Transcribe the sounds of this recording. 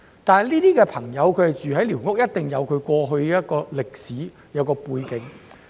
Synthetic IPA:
t̪aː˨nɐ˨˩jliː˥t̪iː˥kɛː˧pʰɐ˨˩ŋjɐ˨˧wkʰɵ˨˧hɐ˨˩jt͡ʃyː˨ɦɐ˨˥jliː˨˩wŋʊ˥k̚jɐ˥t̚t̪ɪ˨ŋjɐ˨˧wkʰɵ˨˧ɥkʷɔː˧ɦɵ˧ɥjɐ˥t̚kɔː˧lɪ˨k̚siː˨˥ | jɐ˨˧wkɔː˧puː˧jkɪ˨˧˥ŋ

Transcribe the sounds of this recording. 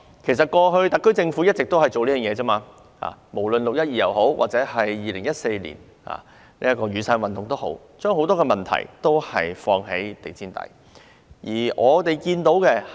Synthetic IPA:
kʰe˨˩js̬ɐ˨t̚kɔː˧ɦɵ˧ɥt̪ɐ˨k̚kːɵ˥ɥt͡sɪ˧ŋfuː˨˥jɐ˥t̚t͡sɪ˨k̚t̪whɐ˨jt͡so˨wli˥jœː˨˩jɛː˨t͡saː˥maː˧ | ha̰ː˨˩mo˨˩wlɵ˨nlʊ˨k̚jɐ˥t̚jiː˨˩jɐ˨wɦo˨˥wwa̰ː˨t͡sɛː˨˥ɦɐ˨jːiː˨˩lɪ˨˩ŋjɐ˥t̚se˧jlḭː˨˩n | ha̰ː˨ | nḭː˥ɐ˥kɔː˧ɥyː˨˧saː˧nwɐ˨nt̪ʊ˨ŋt̪o˥who̰˨˥w | t͡ʃœː˥ŋɦo˧˥wt̪ɔː˥kɛː˧mɐ˨nt̪ʰɐ̰˨˩jt̪o˥whɐ̰˨jfɔː˧ŋɦḛ˨˥jt̪e˨jt͡siː˥nt̪ɐ̰˨˥j | jiː˨˩ʔɔː˨˧t̪e˨jkiː˧nt̪o˨˥wkɛ˧

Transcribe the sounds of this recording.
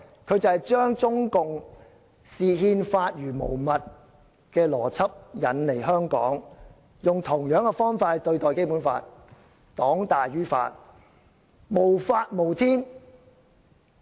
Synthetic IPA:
kʰɵ˨˧ɥt͡sɐ˨ht͡ʃœː˥ŋt͡sʊ˥ŋkʊ˨ŋ | siː˨ɦiː˧nfaː˧t̚jyː˨˩mo˨˩wmɐ˨t̚ | kɛː˧lɔː˨˩t͡sʰɐ˥p̚jɐ˨˥nle˨˩jɦœː˥ŋkɔ̰ː˨˥ŋ | jʊ˨ŋt̪ʰʊ˨˩ŋjœː˨˥ŋkɛ˧fɔː˥ŋfaː˧t̚t̪ɵ˧ɥt̪ɔː˨jke˥jpuː˨˥nfa̰ː˧t̚ | t̪ɔː˨˥ŋt̪aː˨jɥyː˥fa̰ː˧t̚ | mo˨˩wfaː˧t̚mo˨˩wt̪ʰiː˥n

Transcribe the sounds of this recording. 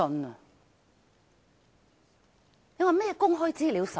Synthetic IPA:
ɔ˨˧nə˨ | je˥ŋwɐ˨˩jmɛː˥˧kʊ˥ŋɦɔː˥jt͡siː˥liː˨˧wsɐ˨

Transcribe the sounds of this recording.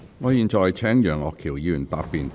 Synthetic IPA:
ŋɔː˨˧jiː˨˧nt͡ʃɔː˨jt͡sʰɛː˨˥ŋjœː˨˩ŋɔː˨kʰiː˨˩wjiː˨˧jyː˨˩nt̪aː˨pːiː˨˧n

